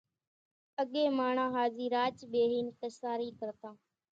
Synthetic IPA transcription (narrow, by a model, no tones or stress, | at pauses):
əɠeːmaːɳãːɦaːziːɾaːt͡ʃɓeːɦiːnkəsaːɾiːkəɾt̪ãː